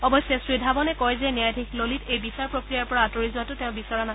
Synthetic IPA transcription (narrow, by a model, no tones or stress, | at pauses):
ɔbɔsjɔsɹidʱabɔnɛkɔjzɛnjajdʱekʰlolitejbisaɹpɹokɹijaɹpɔɹaːtɔɹizuatʊteʊ̃bisɔɹana